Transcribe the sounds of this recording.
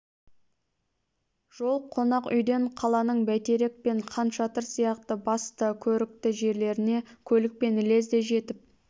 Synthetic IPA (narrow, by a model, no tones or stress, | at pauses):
ʒ̥o̞lˠqʰo̞nɑqʏ̰jd̪e̞ɴqʰɑlˠɑnəɴbæjt̪e̞ɾek̚pe̞ɴqʰɑnʃɑt̪əɾsijɑqt̪əbɑst̪əkʲʰɵɾɪk̚t̪ɪʒe̞ɾle̞ɾɪne̞kʲʰɵlɪk̚pe̞nɪle̞zd̪e̞ʒe̞t̪ɪp̚